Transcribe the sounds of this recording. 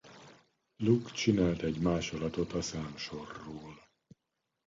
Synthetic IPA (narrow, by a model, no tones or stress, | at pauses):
lukt͡ʃinaːlt̪ɛɟmaːʃolɒt̪ot̪ɒsaːmʃo̞rːoːl